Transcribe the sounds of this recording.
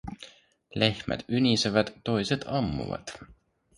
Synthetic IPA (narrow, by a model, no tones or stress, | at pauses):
le̞hmæ̰t̪ynʲiseʋæt̪ːo̞jse̞t̪ʰɑmːṵvɑ̰t̪